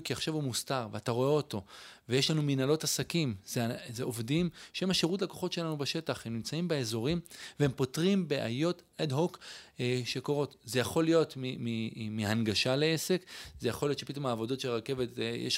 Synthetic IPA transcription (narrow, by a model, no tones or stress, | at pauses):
kiaχʃavhumustaʁveataʁo̞eoto̞vejeʃlanuminalo̞tasakimzezeʔovdimʃemaʃe̞ʁut̬lako̞χo̞tʃe̞lanubeʃe̞taχhemnimt͡saimbeezo̞ʁimvehempo̞tʁimbeʔa̰jo̞tedɦok | ʃe̞koʁo̞tzejaχo̞lijo̞tmimimianɡaʃaleese̞kzejaχo̞lijott͡ʃʃe̞pit̪̬o̞maːvo̞do̞tʃeʁake̞vetjḛʃ